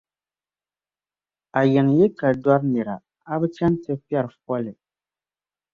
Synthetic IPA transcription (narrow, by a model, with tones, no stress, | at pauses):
a˨jɛ˨ŋ˨jɛ˦ka˨dwa˦ɾnɛ˨ɾa˨ | a˦bɛ˦t͡ʃɛ˦n˦tɨ˦pjɛ˦ɾfɔ˦lɪ˨